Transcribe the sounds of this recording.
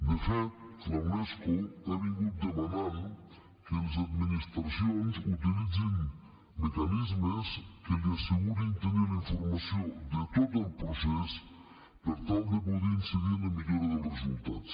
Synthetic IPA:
d̪əfɛt̪flawnɛskuaβiɣut̪̚d̪əmanan | kəlzəd̪minist̪ɾəsionzut̪ilid͡zin | mekanizməskəliəsəɣuɾint̪əniliɱfuɾmɐsiod̪ət̪ot̪əlˠpɾusɛs | pəɾt̪alˠd̪əpudɛinsəðinəmiʎoɾəðəlˠrəzulˠt̪at̪t͡s

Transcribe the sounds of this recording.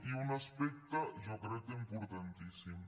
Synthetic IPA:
iunaspɛk̚t̪aʒɔkɾɛt̪impuɾt̪ant̪isim

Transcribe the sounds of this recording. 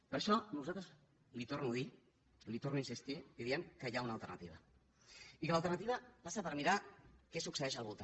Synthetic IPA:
pəɾʃɔnuzalt̪ɾəz | lit̪oɾnuði | lit̪ornuinsist̪ibiðiəŋkəjaunaːlˠt̪əɾna̰t̪iβa | ikələlt̪əɾnat̪iβapasapəɾmiɾakɛsuksəɛʃəlˠβulˠt̪a

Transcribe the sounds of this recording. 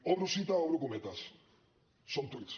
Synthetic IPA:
orusit̪aowɾukumet̪as | sont̪ut͡s

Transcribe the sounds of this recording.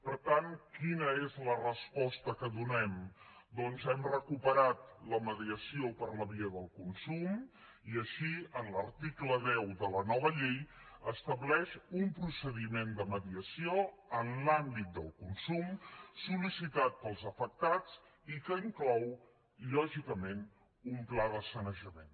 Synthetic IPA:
pəɾt̪ankinəezlərəspɔst̪əkəðunɛmd̪ɔnzɛmrəkupəɾat̪̚ləməðiəsiopəɾləβiəðəlˠkunsum | iəʃiənləɾt̪ikləðɛwðələnɔβ̞əʎejəst̪əβlɛʃumpɾusəðimend̪əməðiəsio | ənlambit̪̚d̪əlˠkunsumsulisit̪at̪̚pəlˠzəfək̚t̪at͡s | ikəiŋklɔw | ʎɔʒikəmen | umplaðəsənəʒəmen

